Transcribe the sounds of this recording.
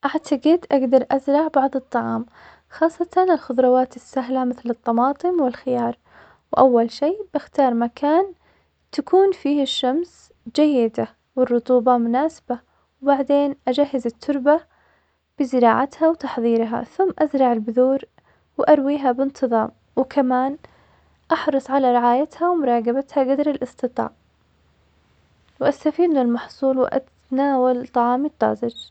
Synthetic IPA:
ʔaʕt̪ʰaɡɪd̪ʔaɡd̪ɑɾˤʔazɾˤɑʕbɑʕðˤɨt̪ˤːɑʕɑːm | xɑːsˤːɑt̪ɑnɪlxʊðˤɾˤɑwaːt̪ɪsːaɦlamɪθlɨt̪ˤːɑmɑːt̪ˤɨmwɪlxɪjɑːɾˤ | wʔawːalʃiːb̥ɪxt̪ɑːɾˤmakʰaːn | t̪akʰuːnfiːhɪʃːams | d͡ʒajːɪd̪a | wɪrˤːʊt̪ˤuːbɑmʊnaːsɪ̥ba | wbaʕd̪eːnʔad͡ʒaɦːɪzɪt̪ʰːʊɾˤba | b̥ɪzɪɾɑːʕat̪hawt̪ɑħðˤiːɾɦa̰θʊmːʔazɾˤɑʕɪlbʊðuːɾ | wɪʔaɾˤwiːɦabɪnt̪ʰɨðˤɑːm | wkʰamaːn | ʔɑħɾˤɑsˤʕalaɾɪʕaːjat̪hawmʊɾˤɑːɡabat̪haɡad̪ɾɪlʔɨst̪ɨt̪ˤɑ̰ːʕ | wʔast̪afiːd̪nɪlmɑħsˤuːlwʔa̰t̪ | naːwalt̪ˤɑʕɑːmɪt̪ˤːɑ̰ːzɪd͡ʒ

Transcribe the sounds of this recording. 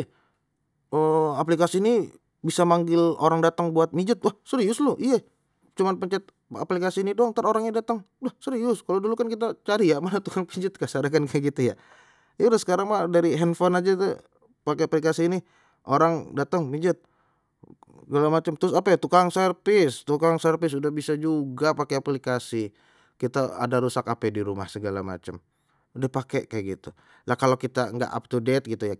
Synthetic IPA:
əaplikasiːni | bisamaŋɡɪlo̰ɾaŋdat̪əŋbuat̪̚mid͡ʒʊt̪̚wahsəɾijʊsloʔija | t͡ʃumanpəɲt͡ʃɛt̪̚ | a̰plikasiːnidoŋt̪aroɾaŋɲadat̪əŋ | wahsəɾijʊskalodulukankit̪at͡ʃaɾijamanat̪ukaŋpid͡ʒʊt̪̚kasadakankʰakit̪uja̰ | julasə̥kaɾaŋmadaɾiɦɛnfɔnad͡ʒat̪ | pakeaplikasiːni | ʔoɾaŋdat̪əŋpiɲd͡ʒʊt̪̚ | səɡalamat͡ʃəmt̪ɾʊsapaat̪ukaŋsərpɪst̪ukaŋsərfɪs̬udahbisad͡ʒuɡapakeaplikasi | kit̪aa̰daɾusakapɛdiɾuma̰hsəɡala̰ma̰t͡ʃəm | udahpakekajɡit̪u | lahkalokit̪aŋɡa̰ʔa̰p̚t̪udɛt̪̚ɡit̪uja

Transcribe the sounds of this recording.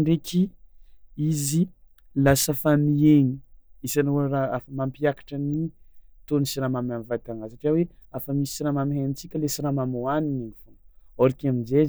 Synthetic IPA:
ɳɖ͡ʐekʲʰi | izi | lasafamieɲiisanɾaafəmampiakḁʈ͡ʂənit̪onisiɾamamamivat̪aŋasaʈ͡ʂiaweafəmisi̥siɾamamiɦanit͡sikʲəlesiɾamamoanineɲifunaɾikamind͡ʒez

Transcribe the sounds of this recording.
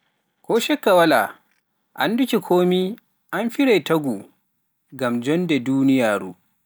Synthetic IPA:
kʰɔːʃɛkːawala̰ | ʔa̰ndukʲikʰoːmi | ʔanfiɾajtaɡu | ɡamd͡ʒɔndɛduːnijaːɾṵː

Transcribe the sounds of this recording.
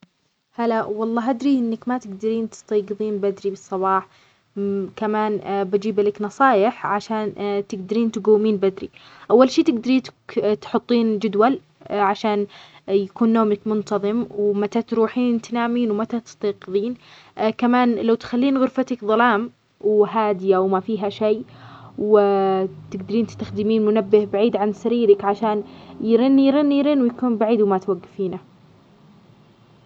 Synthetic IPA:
halawɑlˤːɑːɦʔad̪ɾiʔɪnːakmat̪ɪɡd̪aɾiːnt̪ɪ̥st̪ɑːɡɨðˤiːnbad̪ɾibɨsˤːɑβɑːħ | kamaːnbad͡ʒiːblaknɑsˤɑːjɪħʕaʃaːnt̪ɪɡd̪aɾiːnt̪ɪɡawːmiːnbad̪ɾḭ | ʔawːalʃiːt̪ɪɡd̪aɾiːt̪t̪ħʊt̪ˤːiːnd͡ʒʊd̪wal | ʕaʃaːnjakuːnːoːmakmʊnt̪ɑðˤɨmwmat̪at̪ɾuːħiːnt̪anaːmiːnwmat̪at̪ɪ̥st̪iːqɨðˤiːn | kamaːnlawt̪xalːiːnɣʊɾfat̪akðˤɑlɑːm | wɦaːd̪ɪjawmafiːɦaʃejːw | t̪ɪɡd̪aɾiːnt̪ɪ̥st̪axd̪ɪmiːnmʊnabːɪhbaʕiːd̪ʕansaɾiːɾɪkʕaʃaːnjɾɪnːijɾɪnːjɾɪnwjakuːnbaʕiːd̪wmat̪waɡːafiːna

